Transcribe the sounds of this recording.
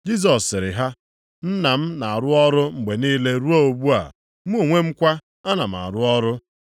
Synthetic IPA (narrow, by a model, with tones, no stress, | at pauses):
d͡ʒi˦s̬ɔ˨ssːɪ˨ɾɪ˨ɦa˦ | n̩˦na˨m̩˦na˨a˨ɾʊ˦ɔ˦ɾʊ˦ŋ͡m̩˨ɡ͡be˨niː˦le˦ɾu˦o˦o˨bu˦a̰˨ | m̩˦o˨ŋʷe˦m̩˦kʷa˦ | a˦na˨m̩˨a̰˨ɾʊ˦ɔ˦ɾʊ˦